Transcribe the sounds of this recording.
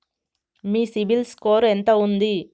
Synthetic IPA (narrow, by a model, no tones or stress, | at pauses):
miːsibilskoːɾent̪ɐund̪i